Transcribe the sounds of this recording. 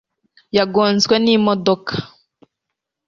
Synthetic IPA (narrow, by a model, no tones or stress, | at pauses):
jaɡonzwenimɔdokḁ